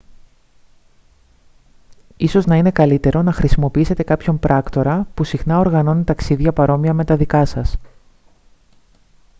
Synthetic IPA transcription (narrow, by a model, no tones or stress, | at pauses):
iso̞znɐine̞kɐlit̪e̞ɾo̞nɐxɾisimo̞piise̞t̪e̞kɐpço̞mpɾʔɐkt̪o̞ɾɐpusixnɐo̞ɾɣɐno̞nit̪ɐksiðʝɐpɐɾo̞miɐme̞t̪ɐðikɐsɐs